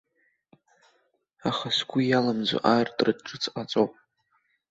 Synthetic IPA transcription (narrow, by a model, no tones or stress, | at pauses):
aχasɡʷʊjalamzʷo̰ʔartʼrɨdʈ͡ʂʼɨt͡sʰʼqʼat͡sʼowpʼ